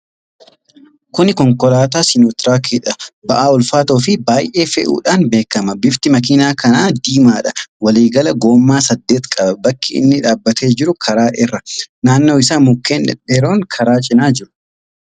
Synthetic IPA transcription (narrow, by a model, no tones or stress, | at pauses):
kʊnɪkɔŋkɔlaːt̪aːsɪnoːt̪ɾaːkiᶑɐbɐʔaːɔlfaːt̪oːfɪbaːjʔe̞ːfɛ̰ʔṵːᶑaːnbe̞ːkːɐmɐbɪft̪ɪmɐk̬iːnaːkɐnaːd̪iːmaːᶑɐwɐliːɡɐlɐɡo̞ːmːaːsɐd̪ːe̞ːt̪kʼɐbɐbɐkːɪɪ̰nːɪᶑaːbːɐt̪ʰe̞ːd͡ʒɪɾʊkʰɐɾaːʔɪrːɐnaːnːoːɪsaːmʊkːeːnɛ̰deɾoːŋkʰɐɾaːt͡ʃʼɪnaːd͡ʒɪɾʊ̥